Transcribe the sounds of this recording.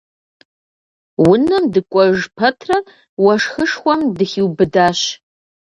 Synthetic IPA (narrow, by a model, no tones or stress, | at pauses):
wʊnɐmdɨkʷʼɔʒpʰɐtʰrɐ | wɐʂxəʂxʷɔmdɨxiwbɨdaːɕ